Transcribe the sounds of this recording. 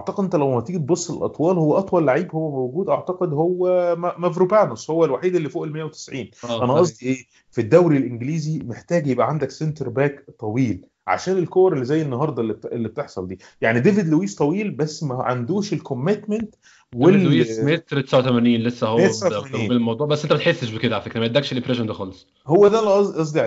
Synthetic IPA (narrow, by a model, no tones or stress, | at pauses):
ʔʔaʕt̪ɑqed̪ʔent̪ælæwmæt̪ˤiːɡt̪̚bosˤːelʔɑ̰t̪ˤwɑːlhowːæʔɑt̪ˤwɑlːaʕiːbhowːæmowɡuːd̪ʔɑʕt̪ɑqed̪howːæmæmævɾubænɑsˤhowːælwaħiːd̪elːifoːʔelmejːæwet̪e̥sʕiːnːʔænæʔɑsˤd̪ˤiʔeː | fid̪ːæwɾilʔenɡliːzimeħt̪æːɡjebʔæʕand̪æksent̪eɾbæːkt̪ˤːɑwiːl | ʕa̰ʃæːnelkowɾelːizæjːenːɑɦɑɾˤd̪ˤɑlːiʔelːib̚t̪eħsˤɑld̪iː | jaʕnid̪eved̪lowiːst̪ˤɑwiːlbæsːmæʕa̰nd̪uːʃelkomːet̪ment̪ | weimet̪ɾt̪esʕat̪æmæniːnlesːæhomejːæsʕamæniːemɑwd̪ˤuʕbæsːʔent̪æmæt̪ħesːeʃbeked̪æʕafekt̪emæʔd̪ːækʃelʔempɾeʃond̪æxɑːlesˤ | howːæd̪ælʔɑˤʔɑs̬ˤd̪ˤiʕ